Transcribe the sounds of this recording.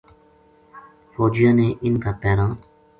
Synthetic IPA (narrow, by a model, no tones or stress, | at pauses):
foːd͡ʒijãːneʔɪnkapɛːɾãː